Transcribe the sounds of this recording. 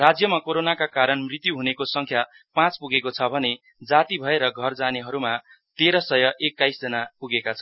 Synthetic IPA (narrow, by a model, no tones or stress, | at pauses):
rad͡zjʌmakoɾonakakaɾʌnmrit̪juɦunekosʌŋkʰja | pãt͡spuɡekot͡sʰʌbʱʌne | d͡zat̪ibʱʌeɾʌɡʱʌrd͡zaneɦʌɾuma | t̪eɾʌsʌjʌʔekːajsd͡zʌnapuɡekat͡sʰʌn